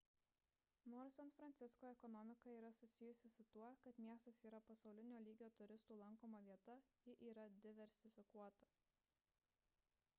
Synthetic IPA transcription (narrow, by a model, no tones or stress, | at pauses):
noɾsʲɛnfɾɐnʲt̪sʲɪskoːɛkɔnɔmʲɪkɐiːɾɐsʊsʲɪjʊsʲɪsʊt̪uɔkɐt̪mʲiɛst̪ɐsiːɾɐpɐsɒʊlʲɪnʲoːlʲiːɡʲoːt̪ʊɾʲɪst̪uːlˠɐŋˑkoːmɐʋʲiɛt̪ɐjɪʔiːɾɐd̪ʲɪʋʲɛɾʲsʲɪfʲɪkuɔt̪ɐ